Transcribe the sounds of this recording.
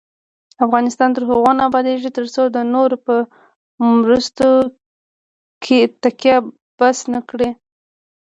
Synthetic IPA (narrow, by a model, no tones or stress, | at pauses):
afɣɑnɪst̪ɑnt̪əɾɦʊɣwɑnɑbɑd̪eʒit̪əɾsod̪ənoɾpə | mɾust̪o | kʰet̪akjɑ | b̥asnakɽe